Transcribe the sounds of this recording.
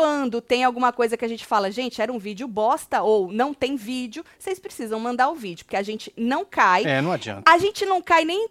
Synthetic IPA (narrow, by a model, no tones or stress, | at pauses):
ɐ̃nd̪ʊt̪ẽj̃awɡũmɐkojzɐkɪaʒẽnt͡ʃɪ̥falɐʒẽnt͡ʃɪɛɾɐũvid͡ʒɪʊbɔst̪ɐownɐ̃w̃t̪ẽj̃vid͡ʒʊsejspɾesizɐ̃w̃mɐ̃nd̪aɾʊvid͡ʒʊpʊɾkeaʒẽnt͡ʃɪ̥nɐ̃w̃kajɛnɐ̃w̃ad͡ʒiɐ̰̃naʒẽnt͡ʃɪnɐ̃w̃kajnẽj̃